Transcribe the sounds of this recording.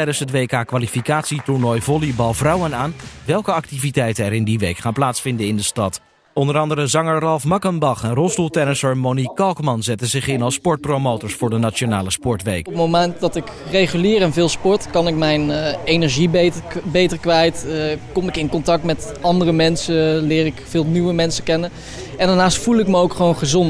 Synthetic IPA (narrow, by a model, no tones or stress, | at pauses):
tɛjdənsɦətʋejkaːkʋaːlifikaːtsitʊɹnɔjvɔlibɑlˠvrɑwənaːnʋɛlˠkəɑk̚tivitɛjtənɛɾɪndiʋejkχaːnplaːtsfɪndəɪndəstɑt | ɔndəɾɑndəɾəzɑŋəɹrɑlˠfmɑkəmbɑχɛnrɔsdulˠtɛnəsəɹmonikɑlˠkmɑnzɛtənzɪχɪnɑlˠspɔɹt̚prowmowtəɹsfʊːɹdənat͡ʃonaːləspɔɹtʋejkpmomɛnt̚dɑtɪkrejχylɪːɾɛnvɪːlˠspɔɹtkɑnɪkmɛjnejnɛɹʒibbejtəɹkʋɛjtkɔmɪkɪnkɔntɑk̚tmɛt | ɑndərəmɛnsəlɪːɾɪkfɪːlˠnywəmɛnsəkɛnə | ɛndaːɹnaːstfulˠɪkməowkχəʋownχəzɔn